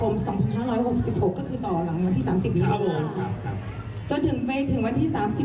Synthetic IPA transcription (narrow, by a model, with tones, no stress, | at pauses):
kʰo˧msɔː˩˦ŋpʰa˧nhaː˥˩ɾɔː˦˥jho˨˩k̚si˨˩p̚ho˨˩kːɔː˥˩kʰɯː˧t̪ɔː˨˩ɾa˩˦ŋwa˧nt̪ʰiː˥˩saː˩˦msi˨˩p̚iː˨˦˩a˥˩o˧˩˧kʰa˧˥˧ | t͡ɕo˧nt̪ʰɯ˨˩˦ŋma˧jt̪ʰɯ˨˩˦ŋwa˧nt̪ʰiː˥˩saː˩˦msi˨˩